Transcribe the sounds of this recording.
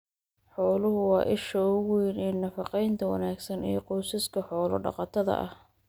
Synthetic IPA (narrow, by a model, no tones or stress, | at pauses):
ħɔːlʊɦʊwɑːʔɪʃɐʊwijnɛːnɐfɑqɛjnt̪ʰɐwɑ̰naːɡsɐnḭjqɔːsɪskʰɐħɔːlɔ̰ɖɑ̰qɑt̪ʰɐðɐ̰ʔɐ̰h